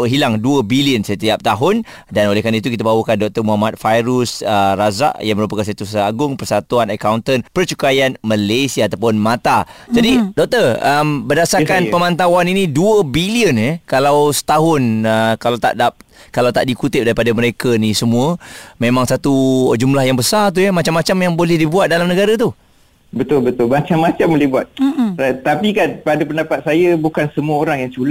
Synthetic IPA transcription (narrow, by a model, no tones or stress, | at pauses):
ɦilaŋduəbiliənsət̪iap̚t̪aɦʊn | danolɛhkanait̪ukit̪̬abawukandɔk̚t̪ərmuɦamat̪̚fajɾusəraza̰ʔjaŋməɾup̬akansat̪usəaɡʊŋpərsat̪uanəkawnt̪ənpərt͡ʃukajanməlesiaːt̪awp̬ʊnmãt̪ad͡ʒadidɔk̚t̪ərəmbərdasarkanpəmãnt̪awaniniduəbiliənekalawsə̥t̪aɦʊnəkalawt̪a̰ʔdap̚kalawt̪aʔdikut̪ɪp̚daɾipadaməɾekənisəmũəmemãŋsat̪ud͡ʒumlahjaŋbəsart̪̬ujəmat͡ʃamːat͡ʃamjaŋbolɛhdibuat̪̚dalamnəɡaɾat̪u | bət̪ʊlbət̪ʊlmat͡ʃamːat͡ʃambolɛhbuat̪̚at̪apikanpadapəndapat̪̚sajabukansəmuaoɾaŋjaŋt͡ʃula